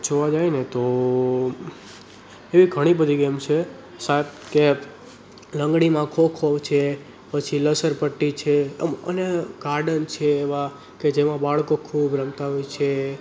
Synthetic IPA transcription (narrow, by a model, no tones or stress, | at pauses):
d͡ʒoʋãd͡ʒajnet̪o | eʋiɡʱəɽ̃ibəd̪ʱiɡemt͡ʃʰe | sat̪ke | ləŋɡɽimãkʰokʰot͡ʃʰe | pət͡ʃʰiləsəɾpəʈːit͡ʃʰeə̰neɡaɾɖənt͡ʃʰeːʋã | ked͡ʒemãbaɭkokʰubɾəmt̪aɦojt͡ʃʰe